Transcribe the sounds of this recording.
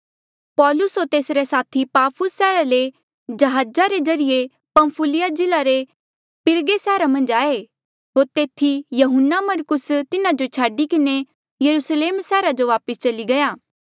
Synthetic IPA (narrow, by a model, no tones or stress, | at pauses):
pɔːlʊsɦoːɾt̪eːsɾesaːt̪ʰipaːpʰʊsːɛːɾale | d͡ʒɐɦaːd͡ʒaɾed͡ʒɐɾɪje | pɐ̃mpʰʊlɪjad͡ʒɪlaɾe | pɪɾɡesɛːɾamɐ̃nd͡ʒaːe | ɦoːɾt̪eːt̪ʰijɐɦʊnːamɐɾkʊst̪ɪnad͡ʒot͡ʃʰaːɖikɪne | jɐɾusleːmsɛːɾad͡ʒoʋaːpəst͡ʃɐliɡɐjaː